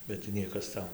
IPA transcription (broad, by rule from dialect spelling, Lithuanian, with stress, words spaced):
bʲɛt tɐɪ ˈnʲiɛkɐs ˈtɐʊ